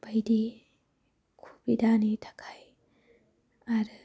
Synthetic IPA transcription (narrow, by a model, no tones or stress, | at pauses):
b̥ajdi | kʰu̥bidanitʰḁkʰaj | aɾɯ